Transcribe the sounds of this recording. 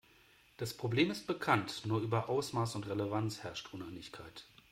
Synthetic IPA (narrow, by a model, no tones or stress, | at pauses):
d̥aspʁ̥obleːmɪst̚b̥əkʰantnuːɐʔyːbɐʔaʊsmaːsʊntʁeləvant͡shɛɐʃtʔʊnaɪnɪçkʰaɪt